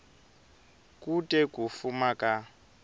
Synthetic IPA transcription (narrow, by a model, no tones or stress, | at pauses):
kutʼɛk̬ʼufumakʼa